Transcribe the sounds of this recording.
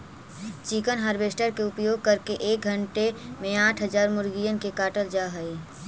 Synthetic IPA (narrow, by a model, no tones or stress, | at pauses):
t͡ʃikənɦəɾbeːsʈəɾkeʊpjoːɡ̚kəɾkeʔeːk̚ɡʱə̃ɳʈemẽaːʈʰɦəzaːɾmʊɾɡijənkekaːʈəld͡ʒaːɦəi